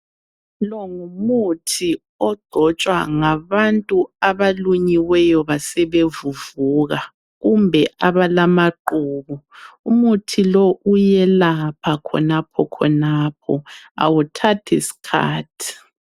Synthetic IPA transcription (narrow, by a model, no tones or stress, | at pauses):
lɔŋumutʰi | ɔɡ͡ǃ̥ʱɔt͡ʃʼwa̰ŋaβantʼuaβaluɲiwɛjɔβasɛβevuvuːɣa | ɣumbʱɛʔaβalamaǃuːβuumutʰilɔʔujɛlapʰakʰɔ̰napʰɔkʰɔ̰naːp̚ʰɔ̰a̰wutʰatʰɛ̰si̥kʰa̰ːtʰi̥